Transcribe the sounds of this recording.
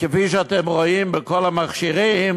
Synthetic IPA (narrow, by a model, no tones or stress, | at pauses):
kefiʃəat̪emʁoimbəkolamaχʃiʁim